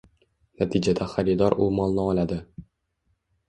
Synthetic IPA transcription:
næt̪id͡ʒæd̪æχæɾid̪ɑɾumɒlˠnɤɒlʲæd̪ɘ

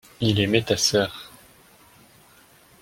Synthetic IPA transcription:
ilɛmet̪asœːʁ

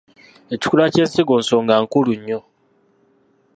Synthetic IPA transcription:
ecu̥kulaceːnsiɡoːnsoːŋɡaŋkuluɲːo

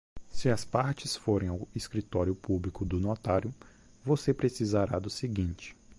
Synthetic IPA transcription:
sɪɐspaɾt͡ʃɪsfoɾẽj̃awiskɾit̪ɔɾjʊpublikʊd̪ʊnot̪aɾjʊ | vosepɾesizaɾad̪ʊsiɡĩnt͡ʃɪ̥

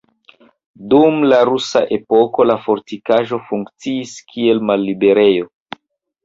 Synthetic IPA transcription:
dumlaɾusa̰ʔe̞po̞ko̞lafo̞ɾtikaʒo̞fuŋkt͡siːskʰie̞lmalːibe̞ɾe̞jo̞

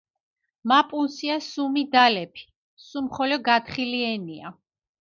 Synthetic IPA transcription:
mapʼunsiasumid̪alɛpʰi̥ | sumχɔlɔɡat̪χiliɛnia̰

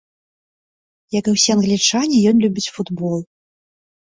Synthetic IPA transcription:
jɐkɨwsʲiɐnɣlʲit͡ʂanʲijɔnlʲubʲit͡sʲfud̪bɔlˠ

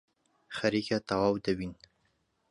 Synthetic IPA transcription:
xaɾikat̪awawd̪awin

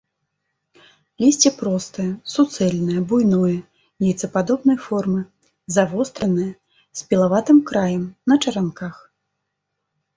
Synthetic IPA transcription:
lʲisʲt͡sʲɛpɾɔst̪ɨjɐsut̪sɛlʲnɨjɐbujnujɐ | nʲɛjt̪sɐpad̪ɔbnɐjfɔrmɨ | zavɔst̪ɾɐnɨjɐ | sʲpʲɛlˠavat̪ɨmkɾajɐmnɐt͡ʂɐɾankax

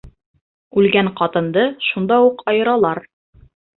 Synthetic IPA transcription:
ʉlɡæɴqɑt̪ɤ̆nd̪ɤʃund̪ɑuqɑjɤ̆ɾɑlˠɑɾ

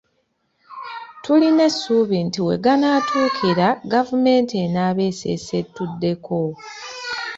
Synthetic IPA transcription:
tulinesːuːβintiwe̞̰ɡanaːtʰuːkʰiɾaɡavume̞ːntenaːβe̞ːsḛse̞tːudːe̞ko̞

